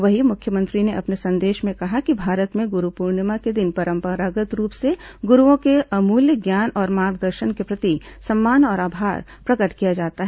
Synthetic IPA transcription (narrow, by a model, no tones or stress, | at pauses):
ʋɐɦimʊkʰjəmə̃nt̪ɾineʔɐpnesɐ̃nd̪eːʃmẽkɐɦakibʱaːɾət̪mẽɡʊɾupuːɾɳəmaked̪ɪnpɐɾə̃mpəɾaːɡət̪ɾuːpseɡʊɾuõkeʔɐmuːljəɡjaːnɔːɾmaːɾɡd̪əɾʃənkepɾɐt̪isɐmːaːnɔːɾaːbʱaːɾ | pɾɐkəʈkijad͡ʒaːt̪aɦɛ